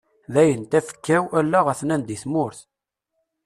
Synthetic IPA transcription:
ðæjənt̪æfə̥kːæwælːæʁəθnænd̪iθmʊɾθ

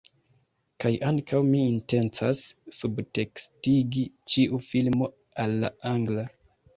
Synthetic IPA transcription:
kajʔaŋkʰawmiːnte̞nt͡sasːubte̞kstiɡit͡ʃiʔufilmo̞ | alːaaŋɡla

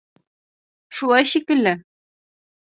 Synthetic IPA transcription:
ʃulˠɑjɕikɘ̆lːɘ

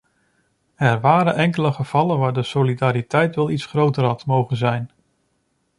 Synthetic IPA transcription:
ɛɹʋaːɾənʔɛŋkələχəv̥ɑlənʋaːɹdəsolidaːɾitɛjtʋɛlˠitsχrowtərɦɑtmowχənzɛjn

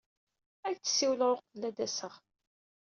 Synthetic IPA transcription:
ækt͡sːə̥sːiwləʁɾʊqəlːæd̪æsəʁ

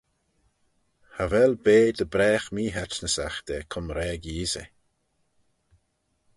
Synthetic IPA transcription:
havɛlbeːd̪əbɾɛːxmiːɦat͡ʃnəsaxd̪̥ɛkʰʊmɾɛːɡiːzə̰

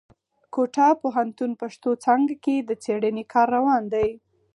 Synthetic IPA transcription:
koʈapoɦant̪unpaʂt̪ot͡sɑŋɡaked̪ət͡seɽənekʰɑɾːawɑnd̪aj

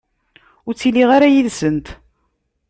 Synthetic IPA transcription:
ʊɾt͡sːilːiʁaɾajiðsənt̪

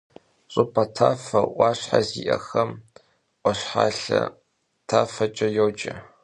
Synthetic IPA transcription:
ɕʼʊpʰɐtʰaːfɐʔʷɑːɕħaziʔɐ̰xɐm | ʔʷʼɔɕħaːɬɐ̰ | tʰaːfɐt͡ʃʼɐjowd͡ʒʼɐ

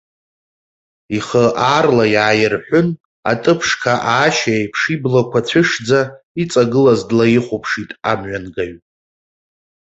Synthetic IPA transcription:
iχəʔarlajaːjɪrħʷᶣʊn | a̰tʼɨpʰʂkʰaʔaːʃaejpʰʂiblokʷʰat͡ɕʷʰɪʂd͡za | it͡sʼaɡɨlazdlajɪχʷʊpʰʂitʼamɥanɡaɥʼ

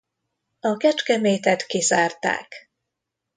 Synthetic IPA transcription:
ɒkɛt͡ʃkɛmeːt̪ɛt̪kizaːrt̪a̰ːk

